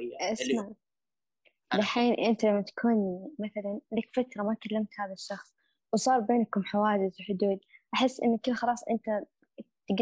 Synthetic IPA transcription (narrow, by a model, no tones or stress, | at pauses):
ʔasma | lɪħiːnʔɪnt̪alamːat̪ḁkʰuːnmaθalanlakfat̪ɾˤɑmakalːamt̪haːðaʃːɑxsˤ | wsˤɑːɾˤbeːnkʊmħawaːd͡ʒɪzwħʊd̪uːd̪̚ʔaħɪsːʔɪ̰nːakɪlːxɑlɑːsˤʔɪnt̪a | t̪ɡ